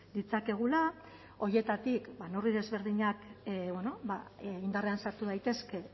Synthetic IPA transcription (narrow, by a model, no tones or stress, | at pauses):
d̪it͡sake̞ɣ̞ula | o̞je̞t̪at̪ikbanoriðe̞zβe̞ɾðiɲakbweno̞baind̪areansaɾt̪uð̞ajt̪e̞ske̞